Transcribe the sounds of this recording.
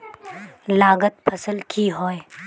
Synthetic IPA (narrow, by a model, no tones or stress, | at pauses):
laːɡət̪̚pʰəsəlkʰiɦɔːj